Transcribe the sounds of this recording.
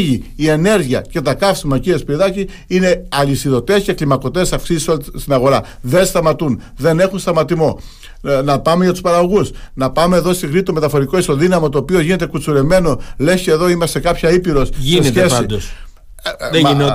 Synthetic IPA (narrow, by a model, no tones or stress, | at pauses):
ʝiie̞ne̞ɾʝiɐ̰ce̞t̪ɐkɐfsimɐciespɾiðɐci | ine̞ɐlisiðo̞t̪e̞sceklimɐko̞t̪e̞sɐfksisisolst̪inɐɣo̞ɾɐðe̞nst̪ɐmɐt̪un | ðe̞ne̞xunst̪ɐmɐt̪imo̞ | nɐpɐme̞ʝɐt̪u̥spɐɾɐɣo̞ɣusnɐpɐme̞ːðo̞st̪iɣnit̪ome̞t̪ɐfo̞ɾikoist̪oðinɐmot̪o̞ːpioʝine̞t̪ekut͡suɾe̞me̞no̞le̞sceːðo̞imɐst̪e̞kɐpçɐipiɾo̞sʝieeesid̪os | n